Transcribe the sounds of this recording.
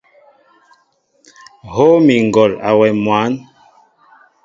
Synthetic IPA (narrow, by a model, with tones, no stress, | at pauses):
ho˦mi˨ŋ˨ɡɔ˨la̰˨wɛ˨mwa˨˦n